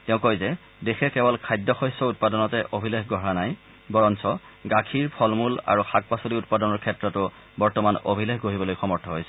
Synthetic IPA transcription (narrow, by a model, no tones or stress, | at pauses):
tɛʊ̃kojzɛ | dexɛkɛbɔlkʰajdːɔxɔjsɔut̚padɔnɔtɛʔobʱilexɡɔɦanaj | bɔɹɔnsɔ | ɡakʰiɹpʰɔlmula̰ɹuxʰak̚pasoliut̚padɔnɔɹkʰɛtɹɔtʊ | bɔɹtɔmano̰bʱilexɡoɦibɔlojxɔmɔɹtʰɔɦojsɛ